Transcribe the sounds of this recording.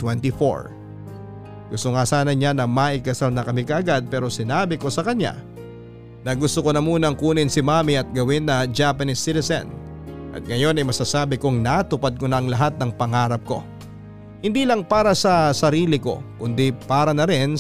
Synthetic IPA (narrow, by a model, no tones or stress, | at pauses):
t̪wɛnt̪ifo̰ɹ | ɡ̥ʊst̪oŋasaːnɐɲanɐmaːʔɪkɐsalnɐkɐmɪkɐʔɐɡad̪̚pɛːɾo̞sɪnaːbɪko̞sɐkɐɲa̰ | nɐɡʊst̪okonɐmuːnɐŋkuːnɪnsɪmaːmiʔɐt̪̚ɡɐwɪnːɐd͡ʒaːpɐnisːit̪ɛsɐ̰n | ʔɐ̰t̪̚ŋɐjo̞nɐjmɐsaːsaːbɪkʊŋnat̪ʊpad̪̚konɐʔɐŋlɐɦat̪̚nɐŋpɐŋaːɾɐp̚ko̞̰ | hɪnd̪iːlɐŋpaːɾɐsɐsɐɾiːlɪko̞̰kʊnd̪ipaːɾɐnɐɾɪn